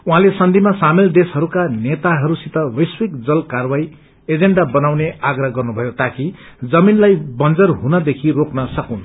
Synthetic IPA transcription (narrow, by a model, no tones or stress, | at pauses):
uɦãlesʌnd̪ʱimasamild̪esɦʌɾukanet̪aɦʌɾusit̪ʌwʌjswikd͡zʌlkarwaj | ed͡zeɳɖabʌnawneaɡrʌɦɡʌrnubʱʌjot̪akid͡zʌminlajbʌnd͡zʌrɦunʌd̪ekʰiroknʌsʌkun